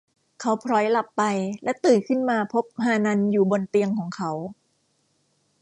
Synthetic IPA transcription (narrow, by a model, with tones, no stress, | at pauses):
kʰa˦˥wpʰɾɔː˦˥jla˨˩pːa˧jlɛ˦˥t̪ɯː˨˩nkʰɯ˥˩nmaː˧pʰo˦˥p̚ɦaː˧na˧njuː˨˩bo˧nt̪i˧əŋkʰɔː˩˦ŋkʰa˦˥w